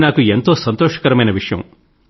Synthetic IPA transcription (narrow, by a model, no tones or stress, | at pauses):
naːkuent̪oːsɐnt̪oːʂɐ̥kɐɾɐmɐjnɐʋiʂɐjɐ̰m